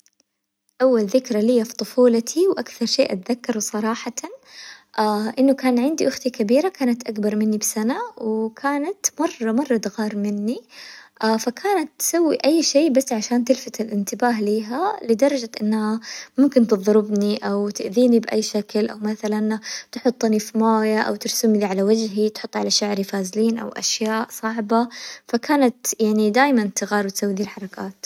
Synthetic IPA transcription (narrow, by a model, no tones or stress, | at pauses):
ʔawːalðɪkɾˤalijːafi̥t̪ˤʊfuːlat̪ʰiwʔakθɑɾˤʃeːʔat̪ðakːɑɾˤwsˤɑɾˤɑːħɑt̪aʔaʔɪnːʊkaːnʕɪnd̪iʔʊxt̪ikabiːɾakaːnat̪ʔakbɑɾˤmɪnːibsanawɪkʰaːnat̪mɑrˤːɑmɑrˤːɑd̪ɣɑːɾˤmɪnːiʔaːfakʰaːnat̪ːsawːiʔajːʃeːbasːʕaʃaːnt̪ɪlfat̪ɪlʔɪnt̪ɪbaːɦliːɦalɪd̪ɑɾˤɑd͡ʒaʔɪ̰nːhamʊmkɪnt̪ɨðˤɾɪbniʔawt̪ɪʔðiːnibʔajːʃaklʔa̰wmaθalant̪ħʊt̪ˤːnifimaːjaʔa̰wt̪ɪɾsɪmliʕalawad͡ʒɦit̪ħʊt̪ˤːʕalaʃaʕɾifaːzɪliːnʔa̰wʔa̰ʃjaːʔsˤɑʕbafakaːnat̪jaʕnid̪aːjmant̪ɪɣɑːɾwɪt̪sawːid̪iːlħɑɾˤɑkʰaːt̪